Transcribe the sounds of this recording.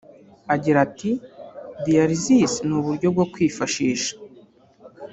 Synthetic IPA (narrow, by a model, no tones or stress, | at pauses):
aɟiɾatidijaɾizisnuβuɾɟo̞b̚ɡo̞kwiːfaʃiːʃḁ